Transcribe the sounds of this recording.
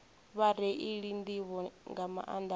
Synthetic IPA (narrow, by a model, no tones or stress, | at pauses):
βaɾɛʔiɺind̪iβɔŋɡama̰ʔand̪a